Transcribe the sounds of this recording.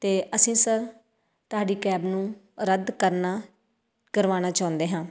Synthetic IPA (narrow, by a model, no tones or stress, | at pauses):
t̪eːʔəsĩːsəɾ | t̪ʊaːɖiːkɛːbnũː | ɾəd̪kəɾnaː | kəɾʋaːnaːt͡ʃaːʊ̃nd̪eːɦãː